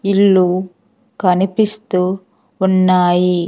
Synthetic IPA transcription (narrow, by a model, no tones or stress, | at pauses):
iɭːu | kɐnipist̪uː | unːaːji